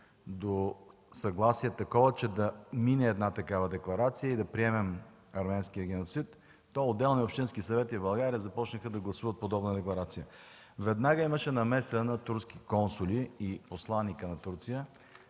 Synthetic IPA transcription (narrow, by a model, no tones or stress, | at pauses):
d̪o | sɐɡlˠasiɛt̪ɐkɔvət͡ʃɛd̪ɐminɛːd̪nat̪ɐkavəd̪ɛklˠɐɾat̪sijəid̪ɐpɾiɛmɛm | ɐɾmɛnsk̟ijəɡ̟ɛnot̪sit̪ː | ɔod̪ːɛlˠniopʃt̪inskisɐvɛt̪ibɐlˠɡaɾiəzɐpɔt͡ʃnəxəd̪ɐɡlˠɐsuvət̪̚pod̪ɔbnəd̪ɛklˠɐɾat̪sijə | vɛd̪naɡəiməʃɛnɐmɛsnɐt̪uɾski̥kɔnsʊlʲiːposlˠanːikənɐt̪uɾt̪sijə